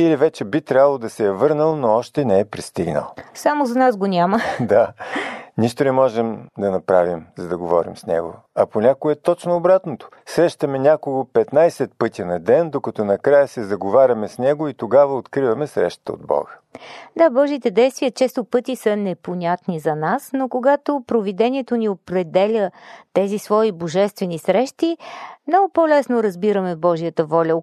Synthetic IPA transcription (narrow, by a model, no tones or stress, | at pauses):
ilivɛt͡ʃɛbit̪ɾʲabəlˠod̪ɐsɛjɐvɤɾnəlˠnoɔʃt̪ɛnɛɛpɾist̪iɡnə̰lˠsamozɐnasɡonʲaməd̪a | niʃt̪onɛmɔʒɛmd̪ɐnɐpɾavimzɐd̪ɐɡovɔ̰ɾḭmsnɛ̰ɡo̰ | ɐponʲakoɛt̪ɔt͡ʃnoːbɾat̪not̪o̥ | sɾɛʃt̪ɐmɛnʲakoɡopɛt̪najsɛt̪̚pɤt̪ʲinɐd̪ɛnd̪okɐt̪ɔnɐkɾajəsɛzɐɡovaɾʲɐmɛsnɛɡoit̪oɡavəot̪kɾivɐmɛsɾɛ̰ʃt̪ə̥t̪əo̰d̪bɔ̰ɡə | d̪abɔʒiːt̪ɛd̪ɛjst̪vijət͡ʃɛst̪opɤt̪isənɛponʲat̪nizɐnasnokoɡat̪opɾovid̪ɛnʲiɛt̪oniopɾɛd̪ɛlʲət̪ɛzisvɔiboʒɛst̪vɛnisɾɛʃt̪imnɔɡʊpɔlɛsnoɾɐzbiɾəmɛbɔʒijət̪əvɔlʲə